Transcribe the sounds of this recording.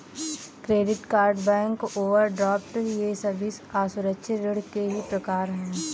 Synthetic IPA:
kɾeːɖɪʈkaːɾɖbɛ̃ːŋkoːʋəɾɖɾɔːp̚ʈəɾjesɐbɪsaːsʊɾəkʃəɾɪɽkeɦipɾɐkaːɾɦɛ̃ː

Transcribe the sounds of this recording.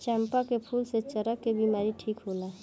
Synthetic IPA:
t͡ʃɛːmpakepʰuːlset͡ʃəɾəkːebimaːɾiʈʰiːkɦoːlaː

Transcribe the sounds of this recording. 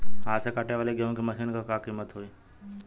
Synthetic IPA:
ɦãːsekaʈeʋaːleɡeõkeməʃʰiːnkãːkaːkiːmət̪ɦoːiː

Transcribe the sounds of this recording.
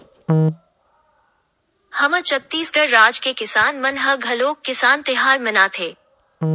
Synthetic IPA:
hɐmət͡ʃɐt̪ːiːsɡʱəɽɾaːd͡ʒkekɪsaːnmɐnɦɐɡʱɐloːkːɪsaːnt̪ɪɦaːɾmɪnaːt̪ʰeː

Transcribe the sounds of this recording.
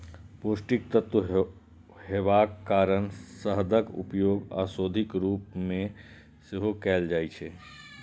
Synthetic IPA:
poːsʈik̚t̪ət̪wə | ɦebaːkːaːɾənsəɦd̪əkṵpjoːɡa̰ːsoːd̪ʱikɾuːpmẽ | seɦokɛːld͡ʒaːjt͡ʃʰɛ

